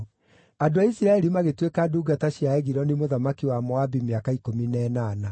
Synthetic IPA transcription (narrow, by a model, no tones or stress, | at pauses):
adoaisiɾaɛɾimaɣetwekaduːɡataɕiaɛɣiɾɔnimoðamakiwamɔabimeakaikominɛnaːna